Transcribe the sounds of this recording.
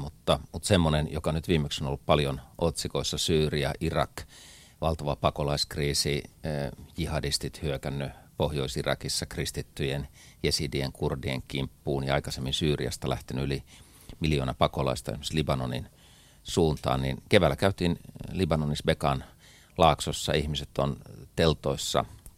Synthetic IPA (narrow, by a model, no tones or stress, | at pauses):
mut̪ːɑmut̪semːonenjokɑnyt̪ʋiːmːeksono̰lːuppɑljonʔot̪sikoisːɑsyːriɑ̰ʔirɑ̰k | ʋɑlt̪ɑʋɑpɑkolɑiskriːsi | jihɑdist̪it̪hyøkænːøpohjoisirɑ̰kisːɑkrist̪it̪ːyjen | jesidieŋkurdiḛŋkimpːuːnjɑɑikɑsemːinsyːriɑ̰st̪ɑlæ̰ht̪enyyli | miljoːnɑpɑkolɑ̰ist̪ɑḛsmst̪libɑnonḭn | suːnt̪ɑ̰ːnninkeʋælːækæyt̪iːnlibɑnonisbekɑn | lɑːksosːɑihmiset̪ont̪elt̪oisːɑ̰